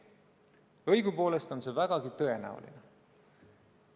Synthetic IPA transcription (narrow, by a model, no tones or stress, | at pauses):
ɤjɡ̥upo̞ːle̞st̪o̞nse̞væɡ̥ɑɡ̥it̪ɤ̞e̞næ̰ṵlḭne